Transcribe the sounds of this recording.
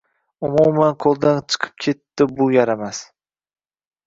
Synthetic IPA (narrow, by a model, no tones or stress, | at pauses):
ʊmumanqʰolˠd̪ant͡ʃʰɨ̥qʰɨ̥p̚kʲʰe̞t̪ːɪbʊjaɾamas